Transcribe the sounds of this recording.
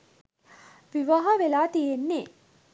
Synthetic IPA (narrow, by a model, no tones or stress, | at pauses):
ʋiʋɐɦɐʋelaːt̪ijenːe